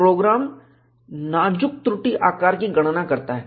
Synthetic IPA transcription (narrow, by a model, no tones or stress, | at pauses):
ɾoːɡɾaːm | naːd͡ʒʊk̚t̪ɾʊʈiʔaːkaːɾkiɡɐɽ̃nakɐɾt̪aɦɛː